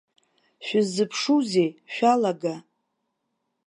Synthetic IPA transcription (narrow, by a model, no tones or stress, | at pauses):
ʃᶣɪzɨpʰʂuze̞jʃᶣalaɡa